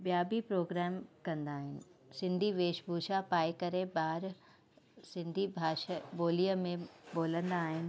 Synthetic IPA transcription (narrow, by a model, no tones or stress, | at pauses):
bjaːbipɾoːɡɾɛːmkɐ̃nd̪aːɦɪnɪ̆sɪ̃nd̪ʱiʋeːʃbʱuːʃapaːekɐɾebaːɾ | sɪ̃nd̪ʱibʱaːʃəboːliəmẽboːlə̃nd̪aːɦɪnɪ̆